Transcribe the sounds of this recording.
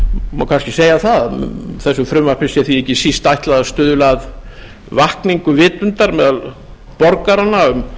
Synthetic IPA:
mawkʰanscɪseːjaθaðθɛsːʏfɾʏmvḁpɪsɛθiɛhcːɪsist̪ajht̪laðast̪ʏːðʏlað | vahkniŋkʏvɪːt̪ʏnt̪aɾmɛːðal | pɔɾkaɾanaʏm

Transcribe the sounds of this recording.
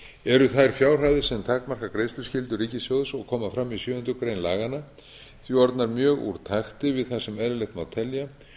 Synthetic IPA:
ɛɾʏθajɾ̥fjaːwr̥ajðɪ̥sɛmt̪ʰaːkmar̥kakɾejst̪ʏ̥scɪlt̪ʏɾiːcɪsjowðsɔɣkʰɔːmafɾamːisjʏːʏnt̪ʏkɾejnla̰ːɣana | θviɔɾt̪naɾmjœːɣṵɾ̥t̪ʰajxt̪ɪvɪðθḁsɛmɛðɾɪlejxt̪mawt̪ʰɛlːja

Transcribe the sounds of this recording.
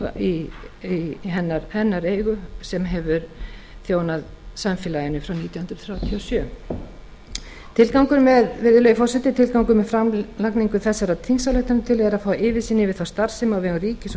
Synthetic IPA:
iiɦɛnːaɾhɛnːaɾeːjɣʏsɛmɦɛvʏɾ | θjoːwnað | samfɪlajɪnʏfɾawniːt̪jahʏnd̪ɾθɾjaːwt̪ʰiɔsjœː | t̪ʰɪlkawŋkʏɾmɛðvɪɾðʏlɛjʏfɔrsɛt̪ɪt̪ʰɪlkawŋkʏmɛfɾamlakniŋkʏθɛsːaɾat̪ʰinsalœht̪anʏmt̪ʰɪlvɛːðɛɾaðfaːaʔɪːvɪsiːnɪvɪðθawst̪aɾ̥sɪmawvɛɣʏriːcɪs

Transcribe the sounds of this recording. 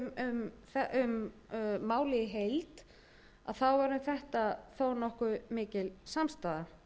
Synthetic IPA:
ʏmθɛʔʏmː | aːwlɪjɪɦejlt̪ | a̰ðθawvaɾʏmθɛht̪aθownɔhkʏmɪːcɪlsamst̪aːða

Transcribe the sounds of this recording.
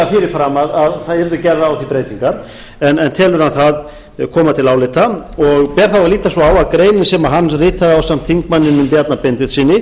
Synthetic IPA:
afɪːɾɪɾfɾamaðaðθaðɛɾðʏcɛrːaawθipɾeːjt̪iŋkaɾ̥ | ɛnɛnt̪ʰɛːlvʏɾhanθað | kʰɔːmat̪ʰɪlaːwlɪt̪aɔɣpɛːɾ̥θavaliːt̪asɔaːwaðkɾeːjnɪnsɛmaɦanːrɪːt̪aðawsamt̪θiŋkmanːɪnʏmpjat̪napent̪ɪðsiːnɪ

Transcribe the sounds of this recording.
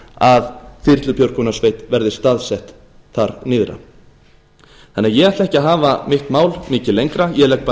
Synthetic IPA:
aðθɪr̥t̪lʏpʰjowɾ̥kʰɔnasvejt̪vɛɾðɪst̪aðsɛht̪ | θaɾnɪːðɾa̰ | θɛnːɛɾjɛɣaht̪lɛhcɪaɦaːvamɪht̪maːwlmɪːcɪlejŋkɾajɛlɛkpa

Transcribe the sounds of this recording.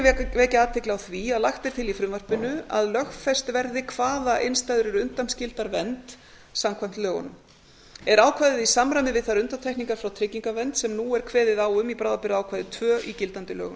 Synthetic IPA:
ɛvɛːcɪaːt̪ʰɪklɪawθviaðlaxt̪ɪɾ̥t̪ʰɪlifɾʏmvar̥pɪnʏa̰ðlœxfɛst̪vɛɾðɪkʰvaːðaʔenst̪ajðʏɾɪɾʏnt̪amscɪlt̪aɾvɛnt̪ | samkʰvajm̥t̪lœːɣʏ̰nʏm | ɛɾaːwkʰvajðɪðisamɾajmɪvɪðθaɾʏnt̪amt̪ʰɛhkniŋkaɾ̥fɾawt̪ʰɾɪciŋkavɛnt̪sɛmnuːɛɾ̥kʰvɛːðɪðaːwʏmipɾaːðapɪɾðaːwkʰvajðɪt̪ʰv̥œːʔicɪlt̪ant̪ɪlœ̰ːɣʏ

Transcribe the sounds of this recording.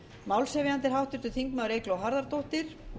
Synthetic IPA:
mawlsɛvɪant̪ɪɾ̥ɦawht̪ʏɾ̥t̪ʏθiŋkmaðʏɾejklɔwɦaɾðaɾt̪owht̪ɪɾ̥

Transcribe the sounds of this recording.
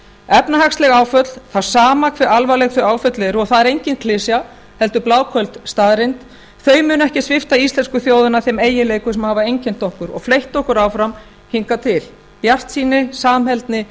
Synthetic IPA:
ɛpnahakslɛɣaːwfœt̪l̥θawsaːmakʰvɪɾalvalɛɣθʏaːwfœt̪lɛɾʏɔɣθaðɛɾejɲcɪnkʰlɪsja | hɛlt̪ʏplaːwkʰœlt̪st̪aːðɾɪnt̪ | θœːɥmʏnʏɛhcɪsvɪft̪aist̪lɛnskʏθjoːwðʏnaθɛmeːjɪleːjkʏsɛmhaːvaejɲcɛn̥t̪ɔhkʏɾɔ̰ɣflejht̪ɔhkʏɾaːwfɾam | hiŋkat̪ʰɪl | pjar̥t̪siːnɪsaːmhɛlt̪nɪ

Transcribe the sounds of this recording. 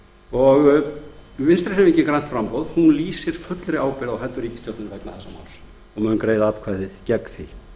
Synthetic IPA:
ɔɣ | vɪnst̪ɾɪsɛmɪɲcɪkɾajn̥t̪fɾampowðhunliːsɪɾ̥fʏt̪lɾɪaːwpɪɾawhɛnt̪ːʏɾiːcɪ̥st̪jowt̪nɪɾvɛjknaθɛsːama̰ːwls | ɔɣmʏːnʏmkɾeːjðaapkʰvaðɪcɛkθi

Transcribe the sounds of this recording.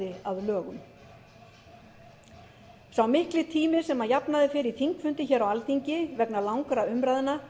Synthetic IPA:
ɪaðlœːɣʏm | sawmɪhklɪt̪ʰiːmɪsɛmːajapnaðɪfɪːɾiθiŋkfʏnt̪ɪçɛːɾawalt̪iɲcɪvɛknalawŋkɾaʏmɾaːjðɪna

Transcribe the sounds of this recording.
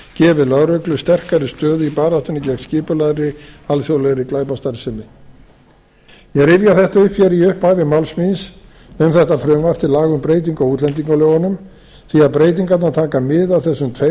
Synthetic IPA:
cɛːvɪðlœɾœklʏst̪ɛr̥kaɾɪst̪œːðʏipaːɾat̪ʏnːɪcɛk̪scɪːpʏlaðɾɪalθjowlɛɣɾɪklaːjpast̪aɾsɪnːɪ | jɛɣɾɪvjaθɛht̪aʏpfjɛɾiʏhpaːjvɪmawlsmis | ʏmθɛht̪afɾœːmvar̥t̪ʰɪlaːɣʏmpɾeːjt̪iŋkauːt̪lɛnt̪iŋkalœɣɔnʏm | θiaðpɾeːjt̪̬iŋkat̪nat̪ʰaːkamɪðawθɛsːʏmt̪ʰve

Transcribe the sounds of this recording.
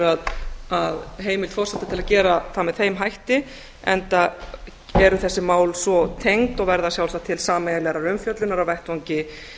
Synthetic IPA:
aðaðɦeːjmɪlt̪fɔrsɛt̪ːɪt̪ʰɪlaðcɛːɾaθamɛðθejmɦajht̪ɪ | ɛ̰nt̪a | ɛɾʏθɛsːɪmaːwlsvɔt̪ʰejŋt̪ɔɣvɛɾðasjawlsat̪ʰɪlsaːmɛjalɛɾaɾʏmfjœt̪lʏnaɾawvɛjht̪vaŋɲcɪ

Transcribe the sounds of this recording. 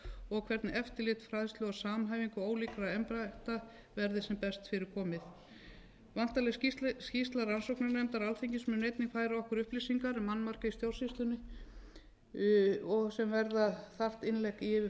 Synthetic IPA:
ɔɣkʰvɛɾt̪nɛft̪ɪlɪt̪fɾaːðɪst̪lœɣasaːmɦaːjviŋkʏoːwlikɾaɛmpɾaɛht̪a | vɛɾðɪsɛmpɛst̪fɪɾɪɾ̥kʰɔːmɪθ | van̥t̪alɛscist̪laɾansowknaɾnɛjmt̪aɾalθeɲcɪsmɛnejt̪nɪŋfaːjɾaɔhkʏɾʏhplisiŋkaɾmanːmar̥kaist̪jowl̥sist̪lʏnɪ | ɔɣsɛmvɛɾðaθar̥t̪ɪnlɛkiɪvɪ

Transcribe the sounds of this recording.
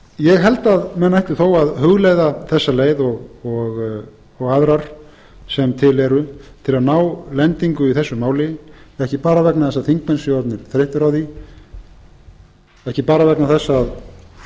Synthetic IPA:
jɛɣɦɛlt̪aðmɛnːaɛht̪ɪɾ̥θowaðɦʏɣlejðaθɛsːaleːjðɔɣɔɣ | ɔɣaðɾaɾ̥ | sɛmt̪ʰɪlɛɾʏt̪ʰɪlaðnaːwlɛnt̪iŋkʏiθɛsːʏmaːwlɪɛhcɪpaːɾavɛknaθɛsːaθiŋkmɛnsjt̪nɪɾ̥θɾeht̪ʏɾawθi | ɛhcɪpaːɾavɛknaθɛsːaːð

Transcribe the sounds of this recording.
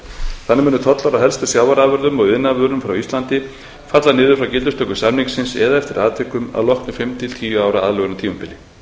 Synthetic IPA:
θanːɪmɛːnʏt̪ʰɔt̪lawɾaðɦɛlst̪asjaːwvaɾavœɾðʏmɔɣɪnːavœɾʏmfɾawist̪lant̪ɪ | fat̪lanɪːðʏɾfɾawcɪlt̪ʏst̪œːkːʏsamniŋksɪnsɛ̰ðaɛft̪ɪɾaːðt̪ʰɛːkʏma̰ðlɔhknʏfɪmt̪ʰɪlt̪ʰiːjʏaːwɾaaːðlœɣʏnat̪ʰiːmʏmpɪlɪ

